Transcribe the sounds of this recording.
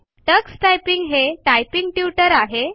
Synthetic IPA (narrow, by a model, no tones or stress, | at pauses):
ʈəksʈajpiŋɡɦeʈajpiŋɡʈjuʈəɾaɦe